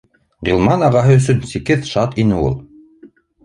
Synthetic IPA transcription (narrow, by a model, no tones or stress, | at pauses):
ʁilˠmɑnɑʁɑɦɤɵ̆s̬ɵnsikɘðʃɑt̪inɘṵlˠ